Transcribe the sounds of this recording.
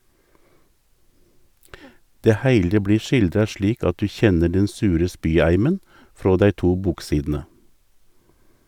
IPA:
ˈdeː ˈhæɪlə ˈbliː ˈʃɪldɾɑ ˈʃliːk ˈɑt ˈdʉː ˈçɛnə ˈɖɛn ˈsʉːɾə ˈspyːˌæɪmən ˈfɾoː ˈdæɪ ˈtuː ˈbuːkˌsiːdn̩ə

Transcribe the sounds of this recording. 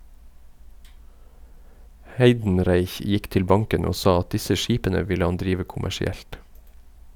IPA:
ˈhæɪdn̩ˌɾæɪç ˈjɪk ˈtɪl ˈbɑŋkən ˈoː ˈsɑː ˈɑt ˈdɪsə ˈʃiːpənə ˈʋɪlə ˈhɑn ˈdɾiːʋə kʊmæʃɪˈɛlt

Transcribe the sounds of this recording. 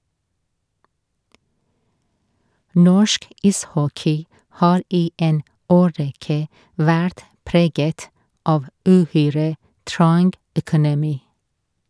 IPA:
ˈnɔʃk ˈɪsˌhɔkɪ ˈhɑːɾ ˈiː ˈeːn ˈoːˌɹɛkə ˈʋæɾt ˈpɾeːɡət ˈɑʋ ʉˈhyːɹə ˈtɹɑŋɡ œkʊnɛˈmiː

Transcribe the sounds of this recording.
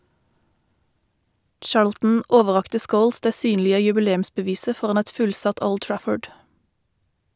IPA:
ˈt͡ʃɑːɹltn̩ ˈoːʋəˌʁɑktə ˈskoːls ˈdeː ˈsyːnlɪə jʉbəˈleːm̩sbəˌʋiːsə ˈfɔʁɑn ˈɛt ˈfʉlsɑt ˈoːl ˈtɹæfɔɖ

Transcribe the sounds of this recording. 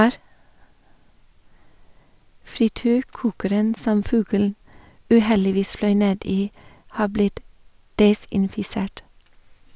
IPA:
fɾɪˈtyːɾˌkuːkəɾən ˈsɔm ˈfʉɡəln̩ ʉːˈhɛlɪˌʋiːs ˈflœʏ ˈneːd ˈiː ˈhɑː ˈblɪt ˈdɛsɪnfɪˌseːʈ

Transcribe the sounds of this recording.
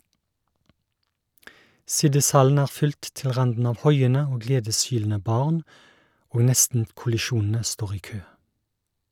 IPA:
ˈsɪdɪsˌhɑln̩ ˈæːʁ ˈfʏlt ˈtɪl ˈʁɑndn̩ ˈɑːʋ ˈhɔʏənə ˈoː ˈɡleːdəsˌhyːln̩ə ˈbɑːʁn ˈoːɡ ˈnɛstn̩kʊlɪˌʃuːnn̩ə ˈstoːʁ ˈiː ˈkøː

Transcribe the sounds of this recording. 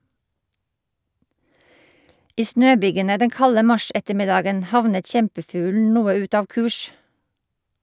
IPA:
ˈiː ˈsnøːˌbyːɡənə ˈdɛŋ ˈkɑlə ˈmɑˌʃɛtəˌmɪdɑːɡən ˈhɑʋnət ˈçɛmpəˌfʉːln̩ ˈnuːə ˈʉt ˈɑːʋ ˈkʉːʃ

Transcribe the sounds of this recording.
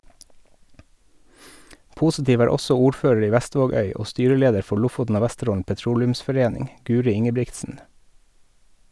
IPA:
ˈpuːsɪˌtiːʋ ˈæːɾ ˈɔsɔ ˈuːɾˌføːɹəɹ ˈiː ˈʋæˌstʋoːˌɡœʏ ˈoː ˈstyːɾəˌleːdəɾ ˈfɔ ˈɭʊfʊtn̩ ˈoː ˈʋæstəˌɾoːln̩ pɛˈtɾuːlʉmsfɔˌɾeːnɪŋ ˈɡʉːɾɪ ˈɪŋəˌbɹɪktsn̩

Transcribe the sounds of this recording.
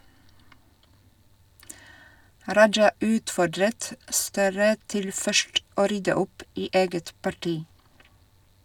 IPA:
ˈɾɑd͡ʒɑ ˈʉːtfɔɖɾət ˈstøːɾə ˈtɪl ˈfœʃt ˈoː ˈɾʏdə ˈʊp ˈiː ˈeːɡət pɑˈʈiː

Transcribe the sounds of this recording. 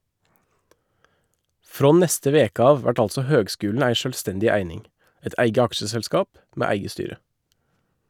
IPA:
ˈfɾoː ˈnɛstə ˈʋeːkə ˈɑːʋ ˈʋæʈ ˈɑlsɔ ˈhøːɡˌskʉːln ˈæɪ ˈʃøːlˌstɛndɪ ˈæɪnɪŋ ˈɛt ˈʔæɪɡə ˈɑkʃəsɛlˌskɑːp ˈmeː ˈæɪɡə ˈstyːɾə

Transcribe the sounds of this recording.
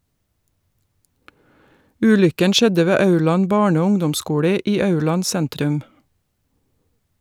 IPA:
ˈʉːlʏkən ˈʃɛdə ˈʋeː ˈɑʉɭɑn ˈbɑːɳə ˈoː ˈʊŋdɔmˌskuːlə ˈiː ˈɑʉɭɑn ˈsɛntɾʉm

